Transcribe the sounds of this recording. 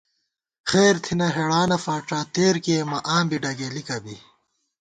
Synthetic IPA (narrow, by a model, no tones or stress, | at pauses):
xeːɾt̪ʰinɐɦeɽaːnɐfaːʈ͡ʂaːt̪eːɾkeːmɐʔaːmbiɖɐɡeːlikɐbi